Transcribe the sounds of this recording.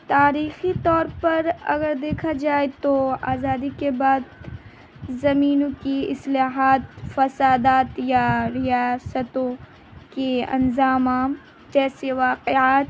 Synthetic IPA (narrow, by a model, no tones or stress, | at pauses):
t̪aːɾiːxit̪ɔːɾpɐɾɐ̰ɡəɾd̪eːkʰad͡ʒaːet̪oaːzaːd̪ikebaːd̪ | zɐmiːnõkiɪslaːɦaːt̪fɐsaːd̪aːt̪jaɾɪjaːsət̪õ | keɐ̰̃nzaːmaːm | d͡ʒɛːseʋaːqɪaːt̪